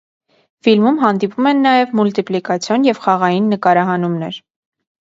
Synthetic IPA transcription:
filmumɦɑnd̪ipumɛnːɑjɛvmult̪iplikɑt͡sʰjɔnjɛvχɑʁɑjinːəkɑɾɑɦɑnumnɛ̰ɾ

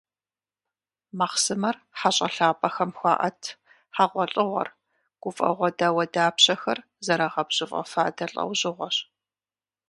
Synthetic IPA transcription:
maχsɨmɐrħaɕʼɐɬaːpʼɐxɐmxʷɑːʔɐtʰ | ħaʁʷɔɬʼɨʁʷɔ̰r | ɡ̥ʷʊfʼɐ̰ʁʷɔdawɐdaːpɕɐxɐr | zɐɾɐʁɐbɕʼɪfʼɐ̰fa̰ːdɐɬʼɐ̰wʑɪʁʷɔɕ

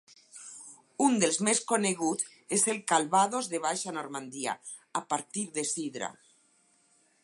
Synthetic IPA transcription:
und̪elzmeskoneɣut̪ | eselkalβað̞ozðeβ̞ajʃanoɾmand̪ia̰ | apaɾt̪iɾðesiðɾa̰

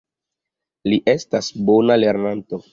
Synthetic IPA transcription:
liʔestasbo̞nale̞ɾnanto̞

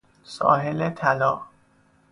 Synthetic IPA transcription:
sɒ̰ːɦelet̪ʰælɒː

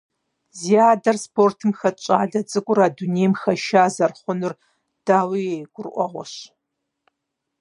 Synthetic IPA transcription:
ziaːdɐrspoːrtʰɨmxɐt͡ʃʼaːɮɐt͡sʼɨɡʷʼʊɾaːduneːjmxɐʃaːzɐrχʷʊnʊr | d̥aːwiejɡʷʊrʔʷɔ̰ʁʷɔ̰ɕ

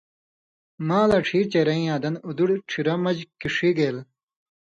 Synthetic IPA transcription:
mãːlɐʈ͡ʂʰiːt͡ɕeɾɐĩãːd̪ɐnud̪uɽʈ͡ʂʰiɾɐmɐd͡ʑkiʂiɡeːl

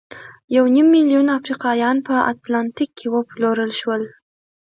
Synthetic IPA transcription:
jawnimːilijunafɾiqɑjɑnpəa̰t̪lɑnt̪ikʰːewəploɾəlʃwəl

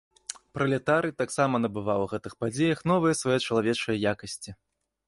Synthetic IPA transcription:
pɾɐlʲɛt̪aɾɨt̪aksamɐnɐbɨvawɣɛt̪ɨxpad͡zʲejɐxn̪ɔvɨjɐsvajɛt͡ʂɐlˠavʲɛt͡ʂɐjɐjakɐsʲt͡sʲi

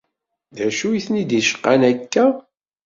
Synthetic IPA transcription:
ðæʃujiθnid̪iʃə̥qːanækːæ

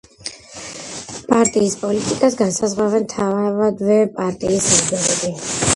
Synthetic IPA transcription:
pʼaɾt̪ʼiːspʼɔlit̪ʼikʼasɡansazʁavɛnt̪ʰavavad̪vɛpʼaɾt̪ʼiːsimdɛɾɛbi

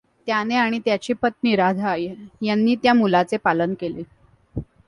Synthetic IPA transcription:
t̪janeaɽ̃it̪jat͡ɕiːpət̪̚niɾad̪ʱajjanːiːt̪jamulat͡sepalənkele

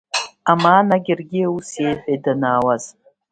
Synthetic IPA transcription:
amaːnaɡʲɪrɡʲɪusjejfejdanaːwaz̥

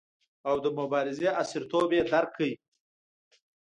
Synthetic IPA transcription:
awd̪əmʊbɑɾɪzeasɪɾt̪obed̪aɾkʰːəi

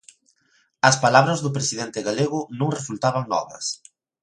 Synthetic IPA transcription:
ɐspalaβɾɐzðʊpɾesiðent̪ɪɣaleɣʊnũŋresult̪aβaŋnɔ̰ðɐ̰s

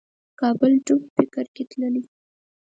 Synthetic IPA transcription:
kɑbəlʈubfɪkəɾket̪ləli

